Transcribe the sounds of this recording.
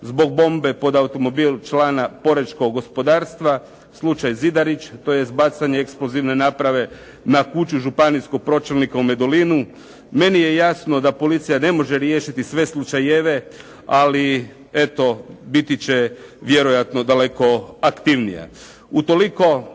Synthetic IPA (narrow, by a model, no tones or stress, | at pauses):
zbo̞ɡ̚bo̞mbe̞po̞d̪aut̪o̞mo̞biːlˠt͡ʃlaːnapo̞ɾeʃko̞ɡɡo̞spo̞d̪aːɾst̪ʋa | slˠut͡ʃajzid̪aɾit͡ʃt̪o̞jesbat̪saɲeeksploziʋne̞naːpɾaʋe̞ | nakut͡ʃuʒupaniskoɡ̚pɾo̞t͡ʃelnikaume̞d̪olinu | me̞nije̞jasno̞d̪apo̞lit̪sijane̞mo̞ʒeɾjeːʃit̪isʋe̞slˠut͡ʃajeʋe̞ | ali | e̞t̪o̞bit̪it͡ɕeʋje̞ɾojat̪no̞d̪ale̞ko̞akt̪iʋnija̰ | ut̪o̞liko̞